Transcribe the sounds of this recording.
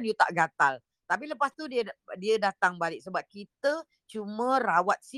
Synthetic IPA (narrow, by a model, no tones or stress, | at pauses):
njut̪a̰ʔɡat̪al | t̪ap̬iləpast̪udiədiədat̪aŋbalɪk̚səbap̚kit̪ə | t͡ʃumə̃rawat̪̚si